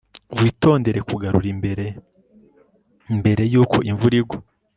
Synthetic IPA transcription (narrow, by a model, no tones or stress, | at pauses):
wiːto̞ːnde̞ɾe̞kuɡaɾuɾibeɾe | mbe̞ɾe̞juːkʰo̞̰ʔiɱvuɾiɡwo